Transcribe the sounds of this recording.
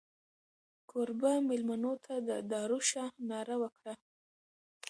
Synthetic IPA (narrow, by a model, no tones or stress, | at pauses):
kʰoɾbamɪlmanot̪ʰad̪əd̪ɑɾuʃɑnɑɾawəkɽa